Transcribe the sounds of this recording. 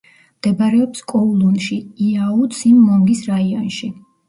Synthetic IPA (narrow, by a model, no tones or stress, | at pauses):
md̪̥ɛbaɾɛɔpskʼɔulˠunʃiiaut̪simːɔmɡisɾaiɔnʃi